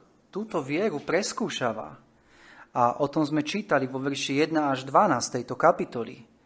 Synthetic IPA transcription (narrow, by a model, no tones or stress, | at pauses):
t̪uːt̪ɔʋɪɛɾupɾɛskuːʃaːʋa̰ | aʔɔt̪ɔmzmɛt͡ʃiːt̪aliʋɔʋɛɾʃijɛd̪naaʒd̪ʋanaːst̪ɛjt̪ɔkapit̪ɔlḭ